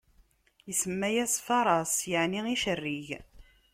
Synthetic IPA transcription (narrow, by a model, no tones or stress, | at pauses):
jəsəmːæjæsfɑɾˤɑsjaʕniiʃərːiʝ